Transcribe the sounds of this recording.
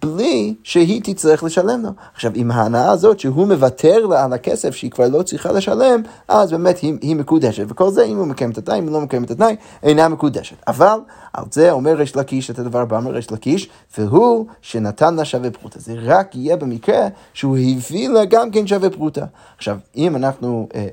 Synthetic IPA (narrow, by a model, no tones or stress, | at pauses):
b̥liʃeɦit̪it͡sʁiχleʃalemlo̞aχʃavimhaːnaaːzotʃeɦumevatʰeʁlaalakɛsefʃeikvaʁlot͡sʁiχa̰leʃalem | ʔazbemethihimekud̪ɛʃetveko̞lzeimhumekajɛmt̪atna̰jimulomekaemetatnaj | ejnamekud̪eʃe̥ta̰vala̰lzeomeʁeʃlakiʃetad̪avaʁbameʁeʃlakiʃ | v̥eɦuʃenatʰanlaʃavepʁṵtʰazeʁakijebemikʁe | ʃehuhivilaɡamkenʃ̬avepʁuta | aχʃavimanaχnu